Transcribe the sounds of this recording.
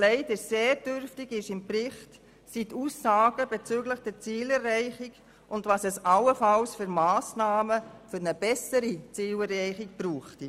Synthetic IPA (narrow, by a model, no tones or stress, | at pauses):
lɛɪdəseːɾd̥ʏɾftɪɡɪʃɪmprɪχt | situːsːɑːɡ̥əbɛt͡søɡləχd̥ɛt͡siːlɛrːɛɪχɪɡ | ʔʊndʋɑsɛsɑləfɑlsfʏɾmɑːsnɑːməfʏɾnəb̥ɛsəɾit͡siːlɛɾɛɪχɪkb̥ɾuːχti